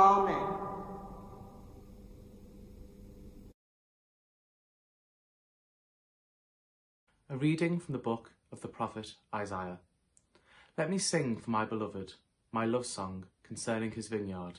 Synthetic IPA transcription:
ɑmɪ | əɹiːdɪ̃ŋfɹə̃mðəbʊk | əvðəpʰɹ̥ɒfɪtaɪzaɪə | lɛʔ̚misɪ̃ŋfəmaɪbɪlʌvɪd̥ | maɪlʌv̥sɒ̃ŋkʰə̃nsɜːnɪ̃ŋɪzvɪ̃njɑːd̥

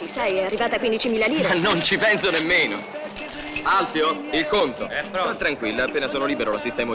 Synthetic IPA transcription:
isɛjɛarːivaːt̪akwind̪it͡ʃimiːlaliːɾnːont͡ʃipɛnsonemːeːno | alfjo | ilkont̪o̰ɔɛt̪ːɾaŋkwilːaapːeːnasoːnoliːbeɾolasist̪ɛːma

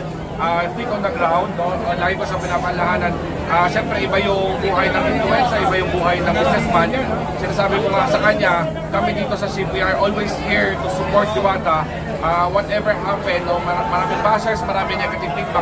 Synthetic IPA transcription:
ʔat̪ikõnd̪ɐɡɾawnd̪noʔolaːɡɪbɐsɐpɪnaːmɐhɐlɐhaːnɐn | ʔaʃɛmpɾɛʔɪbajʊŋbuːɦɐjnɐkɪt̪ʊwɛnsɐʔɪbajʊŋbuːɦɐjnɐbɪsɛsmanjɛn | sɪnaːsaːbɪkʊŋɐsɐkɐɲːa | kɐmɪd̪iːt̪o̞sɐsibiʔaɹʔolwejshiɹt̪usʊpoɹt̪̚d̪ɪwaːt̪ɐ | ʔawɐt̪ʔɛvɛɹhapɛnd̪omɐmɐɾamɪbasɛɹsmɐɾaːmɪnɛkɐt̪ɪɡ̚t̪ɪɡ̚pa

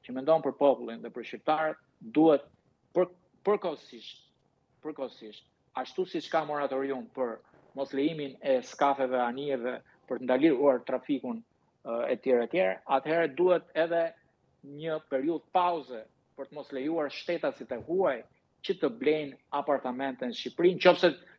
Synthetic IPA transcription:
cəmɛnd̪ɔnpəɾpɔpulˠinðɛpəɾʃcip̚t̪aɾət̪̚ | d̪uhɛt̪̚ | pə | pəɾkɔsiʃt | pəɾkɔsiʃt̪̚ | aʃt̪usit͡ʃkamɔɾat̪ɔɾiumpəɾ | mɔslɛiminɛskafɛvɛaniɛvɛ | pəɾt̪ənd̪aliɾuaɾt̪ɾafikun | ɛt̪jɛɾat̪jɛɾaat̪hɛɾɛd̪uhɛt̪ɛðɛ | ɲəpɛɾiuðpauzɛ | pəɾt̪əmɔslɛjuaɾʃt̪ɛt̪asit̪ɛhuaj | cət̪əblɛjnapaɾt̪amɛnt̪ɛnʃipɾint͡ʃɔfsɛ

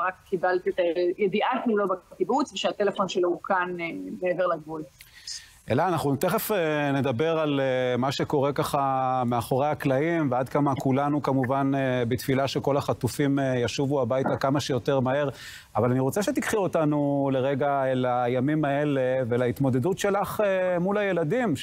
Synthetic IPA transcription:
ʁakkːibalt̪iet̪ajed̪iʔatimlobakibut͡sveʃeat̪elefo̞nʃeloukʰanbeeveʁlaɡvul | ʔe̞̰laːnaχnut̪eχefene̞dabe̞ʁalemaʃe̞ko̞ʁe̞kaχameaχo̞ʁeaklaimvead̪kamakulanukamuvanbet̪filaʃe̞ko̞laχat̪ufimjaʃuvuabajtakamaʃejo̞teʁmahe̞ʁ | avalaniʁo̞t͡se̞ʃe̞t̪ikχiotanule̞ʁeɡaelajamimae̞leve̞lait̪mo̞d̪e̞dutʃe̞laχemulaje̞ladim

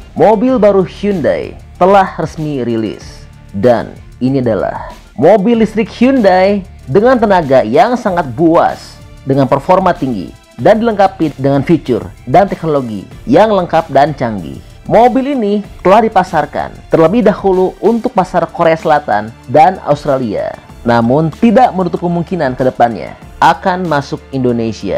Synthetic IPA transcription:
mobilbaɾuhjunda̰jt̪əlahrəsmiɾilḭs | da̰n | iniadala̰h | mobilist̪ɾɪkhiundaj | dəŋant̪ənaɡajaŋsaŋat̪̚bua̰s | dəŋanpərformat̪iŋɡḭ | dandiləŋkapidəŋanfit͡ʃʊ̰rdant̪ɛk̚noloɡḭjaŋləŋkap̚dant͡ʃaŋɡḭ | mobilinit̪əlahdipasarka̰nt̪ərləbɪhdahuluʔunt̪ʊk̚pasarkoɾeasəlat̪a̰ndana̰ust̪ɾalia̰ | namʊnt̪idaʔmənut̪ʊp̚kəmuŋkinankədəpanɲa̰ | ʔakanmasʊk̚indonesia̰

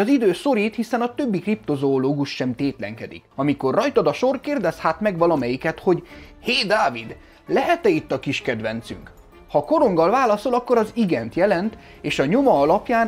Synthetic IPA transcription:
ɒzid̪øːso̞ɾiːt̪hisɛnɒt̪ø̞bːikript̪o̞zoːloːɡuʃːɛmt̪eːt̪lɛ̰ŋkɛd̪ḭkɒmiko̞rːɒjt̪od̪ɒʃo̞rkeːrd̪ɛshaːt̪mɛɡʋɒlɒmɛjikɛt̪ho̞ɟheːd̪aːvid̪ | lɛɦɛt̪ɛit̪ːɒkiʃkɛd̪ʋɛnt̪sy̰ŋk | hɒko̞ɾo̞ŋɡɒlvaːlɒso̞lɒkːo̞ɾɒziɡɛnt̪jɛlɛnt̪eːʃɒɲo̞mɒɒlɒpjaːn

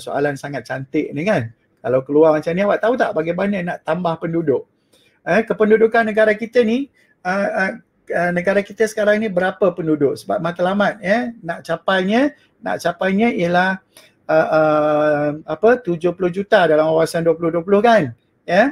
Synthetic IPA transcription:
so̰a̰lansaŋat̪̚t͡ʃant̪ɪʔ̚nikan | kalawkəluarmat͡ʃamniwaʔt̪aut̪a̰ʔbaɡajbaɲənaʔt̪ambahpəndudʊʔ | əkəpəndudʊkanːəɡaɾakit̪əni | ə | ənəɡaɾakit̪əsə̥kaɾaŋnibəɾapəpəndudʊʔsəba̰p̚mat̪əlamat̪̚jənaʔt͡ʃapajɲə̃ | na̰ʔt͡ʃapajɲə̃iəlah | əʔə | mapət̪ud͡ʒʊhpulʊhd͡ʒut̪adalamkawasanduəp̬ulʊhduəp̬ulʊhkan | jə

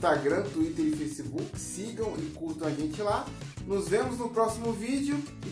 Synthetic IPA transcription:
t̪aɡɾɐ̃t̪uit̪eɾɪfejsibukɪ̥siɡɐ̃w̃ɪkuɾt̪ɐ̃w̃aʒẽt͡ʃɪlanʊzvẽmʊznʊpɾɔsimʊvid͡ʒɪʊɪ

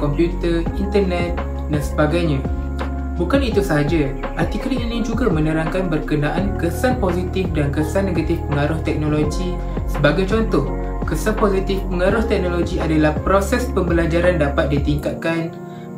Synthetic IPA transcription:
kɔmpjut̪ərint̪ərnɛt̪̚ | dansəbaɡajɲã | bukanit̪usaɦad͡ʒa | ʔat̪ikəɾianĩd͡ʒuɡamə̃nəɾaŋkanbərkənaʔankəsanpozit̪ifdankəsanːẽɡat̪ɪfpəŋaɾʊht̪ɛk̚noloɡi | səbaɡajt͡ʃɔnt̪ɔh | kəsanpozit̪ɪfpəŋaɾʊht̪ɛk̚noloɡiadalahpɾosɛspəmbəlad͡ʒaɾandapat̪̚dit̪iŋkat̪̚kan

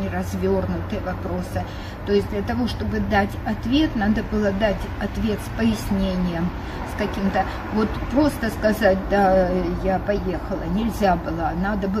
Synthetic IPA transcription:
nʲɪɾɐzʲvʲo̞rnʊt̪ɨjəvɐpɾo̞sɨ | t̪o̞ɪsʲd̪lʲɐt̪ɐvo̞ʂt̪o̞bɨd̪atʲɐt̪vʲe̞t̪nad̪əbɨlˠəd̪atʲɐt̪vʲe̞t̪spəjɪsʲnʲenʲɪjəm | skɐkʲimt̪ə | vo̞t̪pɾo̞st̪əskɐzatʲd̪ajapɐje̞xəlˠənʲɪlʲzʲabɨlˠənad̪əbɨ

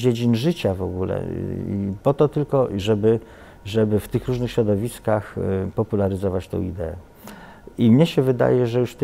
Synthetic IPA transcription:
d͡ʑed͡ʑinʐɘt͡ɕavɔ̰ɡulɛ̰ | pɔt̪ɔt̪ɘlkɔʐɛbɘ | ʐɛbɘft̪ɘxɾuʐnɘxɕɾɔd̪ɔvʲiskaxpɔpulaɾɘzɔvat͡ɕt̪ɔ̰̃w̃ḭd̪ɛɛ̰ | imɲɛɕɛvɘd̪a̰jɛʐɛjuʂft̪ɛ

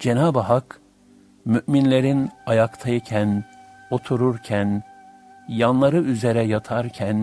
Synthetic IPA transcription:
d͡ʒenaːbɦak | myʔminlʲe̞ɾinajakt̪ʰajicʰæn | o̞t̪ʰuɾuɾcʰæn | janlˠaɾɯyzeɾɛjat̪ʰaɾcʰæn

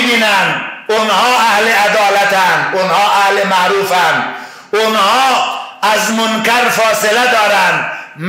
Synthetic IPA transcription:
biːnænd̪ʊnhɒːʔahlead̪ɒːlæt̪ænd̪ʊnhɒːʔahlemaɾuːfænd̪ | ʊnhɒːæzmʊnkæɾfɒːselæd̪ɒːɾænd̪m

